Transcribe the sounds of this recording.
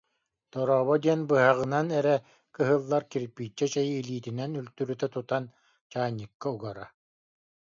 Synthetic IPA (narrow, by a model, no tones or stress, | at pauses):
t̪ɔɾɔːβɔd̪iɛnbɯɦaʁɯnanɛɾɛ | kɯɦɯlˠːaɾkiɾpiːt͡ʃːɛt͡ɕɛjɯːliːt̪inɛnylt̪yɾyt̪ɛt̪ut̪an | t͡ɕaːɲːɯkːauɡaɾa